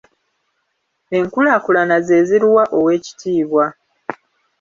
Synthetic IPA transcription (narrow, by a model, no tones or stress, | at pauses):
e̞ŋkulaːkulanaze̞ːziɾiwaʔo̞we̞ːci̥tʰiːβwa